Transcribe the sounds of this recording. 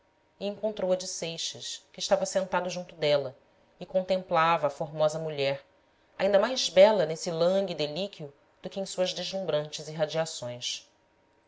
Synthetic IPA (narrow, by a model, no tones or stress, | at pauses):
iẽŋkõnt̪ɾowɐd͡ʒɪsejʃɐʃkɪːʃt̪avɐsẽnt̪ad̪ʊʒũnt̪ʊd̪ɛlɐ | ikõnt̪ẽmplavɐːfoɾmɔzɐmuʎɛɾ | aĩnd̪ɐmajzbɛlɐnesilɐ̃ɡid̪elikiu | d̪̥ʊkɪẽj̃suɐzd̪eʒlũbɾɐ̃nt͡ʃɪziɦad͡ʒiasõj̃s